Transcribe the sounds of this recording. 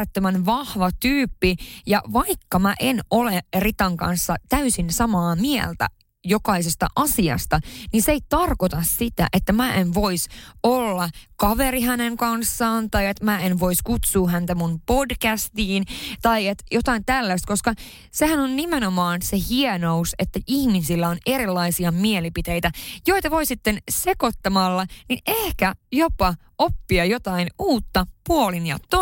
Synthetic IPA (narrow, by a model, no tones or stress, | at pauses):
et̪ːømænʋɑhʋɑt̪yːpːijɑʋɑikːɑmæʔenolerit̪ɑŋkɑ̰nsːɑt̪æysinsɑmɑːmiɛ̰lt̪æ̰ | jokɑisest̪ɑ̰ʔɑsiɑ̰st̪ɑninseit̪ɑrkot̪ɑssit̪æ̰ʔet̪ːæmæːʔenʋoisolːɑkɑʋeɾiɦæneŋkɑnsːɑːnt̪ɑiet̪mæːenʋo̞iskut̪suːhænt̪æmunpo̞dkæst̪iːnt̪ɑiet̪jot̪ɑint̪ælːæst̪ko̞skɑ | sehænonnimenomɑːnsehienouset̪ːæʔihmisilːæo̞ne̞ɾilːɑisiɑmielipit̪e̞jt̪æjo̞it̪ɑʋo̞isit̪ːensekot̪ːɑmɑlːɑniʔehkæjopɑ | opːiɑjot̪ɑinuːt̪ːɑpuolinjɑ̰t̪o